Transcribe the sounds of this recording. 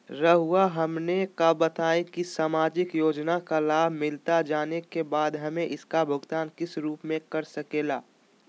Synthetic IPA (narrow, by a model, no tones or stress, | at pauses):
ɾəɦʊaɦɐmnekabət̪aːẽkisaːmaːd͡ʒɪkjoːd͡ʒnakalaːbʱmɪlt̪ad͡ʒaːnekebaːd̪ɦɐmẽʔɪskabʱʊɡt̪aːnkɪsɾuːpmẽkɐɾsɐkeːlaː